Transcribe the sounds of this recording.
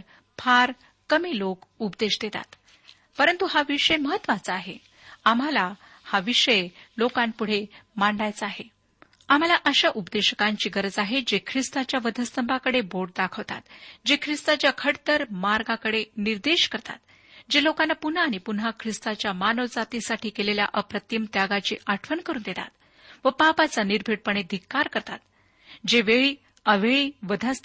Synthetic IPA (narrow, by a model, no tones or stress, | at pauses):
pʰaɾ | kəmiːlokupd̪eɕd̪et̪a̰t̪ | pəɾənt̪uɦaʋiʂəjməɦət̪ːʋat͡səaɦe | am̤ala | haʋiʂəjlokãnpuɽ̤emaɳɖajt͡saaɦe | am̤alaʔəɕaʔupd̪eɕəkãɲt͡ɕiːɡəɾəd͡zaɦed͡ʑekʰɾist̪at͡ɕjaʋəd̪ʱəst̪əmbʱakəɽeboɾʈ̚d̪akʰəʋt̪a̰t̪d͡ʑekʰɾist̪at͡ɕjakʰəɽt̪əɾmaɾɡakəɽeniɾd̪eɕkəɾt̪a̰t̪ | d͡ʑelokanːapun̤aːɽ̃ipunɦakʰɾist̪at͡ɕjamanod͡zat̪isaʈʰiːkelelja̰ʔəpɾət̪imt̪jaɡat͡ɕḭːʔaʈʰʋənkəɾuːnd̪et̪a̰t̪ | ʋəpapat͡saniɾbʱeʈ̚pəɳed̪ʱikːaɾkəɾt̪at̪ | d͡ʑeʋeɭiː | əʋeɭiːʋəd̪ʱəst̪